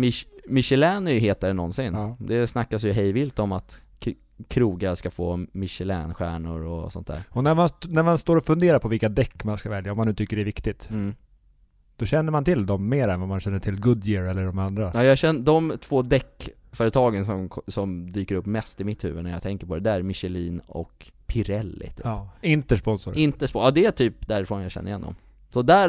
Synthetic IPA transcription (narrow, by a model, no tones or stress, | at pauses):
mɪmɪɕɛlɛːnʏɦeːt̪aɾnɔnsɪnːd̪ɛsnakːasjɵɦɛjvɪlt̪ɔmat̪ | kʰɾuːɡaskafoːmɪʃɛlɛ̰ːnɧæ̰ːɳʊ̰ɾɔ̰sɔnt̪d̪æ̰ːɾɔnæɾmannæɾmanst̪oːɾɔfɵnd̪eːɾaɾpʰɔvɪlkad̪ɛkːmanskavɛljaɔmːanːʉːt̪ʏkːəɖɛɾvɪkt̪ɪt̪ː | d̪̥ɔɕɛnːəɾmant̪ʰɪld̪ɔmːeːɾɛnvamanɕɛnːəʈʰɪlɡɵd̪jɪɾɛlːəɖɔmand̪ɾajɑːjɑːɡɕɛnːd̪ɔmt̪ʰv̥oːd̪ɛkː | fœːɾət̪ʰɑːɡənsɔmʰsɔmd̪yːkəɾɵpːmɛst̪ɪmɪt̪hʉ̟ːvənæjɑ̰ɡt̪ʰɛŋkəɾpʰɔd̪ɛd̪ææɾmɪɕɛliːnɔ̰kpʰɪɾɛlːɪ̰t̪ʰy̰ːɪnt̪əʂpɔnsʊɾɪnt̪əʂpɔɑːd̪ɛæʈʰyːp̚d̪æɾɪfɾɔnjɑɕɛ̰nːɾɪjɛ̰nd̪ɔ̰m | sɔd̪æ